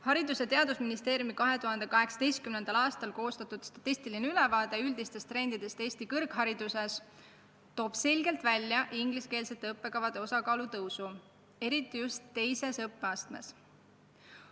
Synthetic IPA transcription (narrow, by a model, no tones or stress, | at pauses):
hɑɾid̪use̞t̪e̞ɑd̪̥usminist̪e̞ːɾjumikɑɦe̞t̪uhɑnd̪e̞kɑɦe̞ksɑ̥d̪e̞jst̪̚kymne̞nd̪̥ɑlɑːst̪ɑlko̞ːst̪ɑt̪ːˑud̪̥st̪ɑ̥t̪ːist̪ilineylevɑːd̪̥e̞yld̪̥ist̪e̞st̪ɾe̞nd̪id̪̥e̞st̪e̞ːst̪ikɤrkhɑɾid̪̥use̞s | t̪o̞ːb̥se̞lʲɡe̞lt̪vælʲjɑʔiŋɡ̥liske̞ːlse̞t̪ːeɤpːe̞kɑvɑd̪̥e̞o̞sɑkɑːlut̪ɤwsu | e̞ɾit̪ːˑijust̪ːe̞jse̞sɤpːe̞ɑst̪me̞̰s